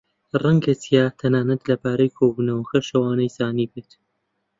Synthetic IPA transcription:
rɐŋɡɐt͡sʰijaːt̪ʰɐnaːnɐt̪lɐbaːɾɐjkʰoːbuːnɐwxɐʃɐwaːnɐjsaːniːbet̪

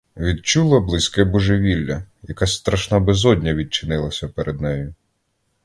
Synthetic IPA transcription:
ʋʲid̪̚t͡ʃulˠɐblˠɪsʲkɛbɔʒeʋʲilʲːɐ | jɐkast̪ɾɐʃnabɪzɔdʲnʲɐʋʲid̪̚t͡ʃɪnɪlˠɐsʲɐpeɾʔed̪nɛjʊ

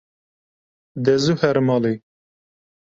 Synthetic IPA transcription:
d̪ɛzuhɛɾmɑːle

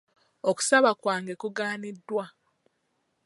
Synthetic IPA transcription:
oku̥saβakwaːŋɡe̞kuɡaːnidːwa

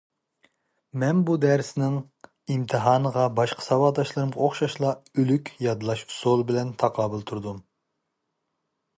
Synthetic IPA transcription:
mɛnbud̪æɾsnɪŋ | imt̪ʰɨɦɑːnəʁɑbɑʃqʰə̥sɑwɑːd̪ɑʃlˠɨɾɨmʁɑoχʃɑʃlˠɑylykʲjɑd̪lˠɑʃusolˠbɪlɛnt̪ʰɑqʰlˠɑbɨlˠt̪ʰuɾd̪um

